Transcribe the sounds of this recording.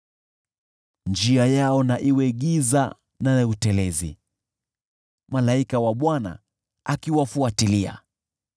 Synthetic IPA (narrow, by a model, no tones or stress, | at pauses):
nd͡ʒiajaɔnaʔiwɛɠiza̰ | nautɛlɛzḭ | malaikawaɓwana̰ | akiwafuatilia̰